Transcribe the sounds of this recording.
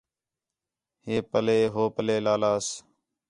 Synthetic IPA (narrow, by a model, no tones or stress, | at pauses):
heːpəleːɦoːpəleːlaːlaːs